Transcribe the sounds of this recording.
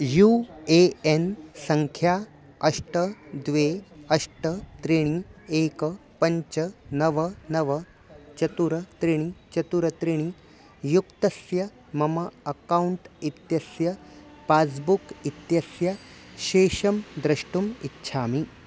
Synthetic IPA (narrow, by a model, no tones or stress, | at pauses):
juːeensɐŋkʰjaː | ɐʂʈəd̪ʋeɐʂʈət̪ɾiɽ̃ieːkpɐɲt͡ʃɐnɐʋɐnɐʋɐ | t͡ɕɐt̪uɾɐt̪ɾiɽ̃it͡ɕɐt̪uɾɐt̪ɾiɽ̃i | jukt̪ɐsjɐ | mɐmɐɐkauɳʈit̪jɐsjɐpaːsbukit̪jɐsjɐɕeːʃɐmd̪ɾɐʂʈumitːɕʰaːmi